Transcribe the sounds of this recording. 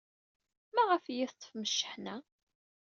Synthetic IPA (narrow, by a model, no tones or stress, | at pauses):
mæʁəfjɪθt̪ˤːə̥fməʃːə̥ħnæ